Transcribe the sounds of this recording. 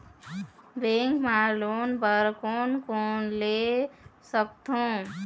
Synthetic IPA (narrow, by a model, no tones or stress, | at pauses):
beŋkmalonbəɾkonkonlesəkt̪ʰõ